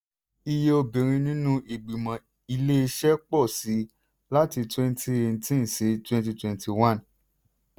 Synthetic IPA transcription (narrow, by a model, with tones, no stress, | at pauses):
i˧je˧o˧bĩ˨ɾ̃ĩ˧nĩ˦nũ˦ʔi˨ɡ͡bi˨mã˨ | i˧le˦i˧ʃɛ˦k͡pɔ˦˨si˨˦ | la˦ti˧twɛ̃˦n˦tʰi˧e˧˨n̩˧tĩ˦n˨si˨˦twɛ̃˧nt̬i˧twɛ̃˨nti˧wã˦n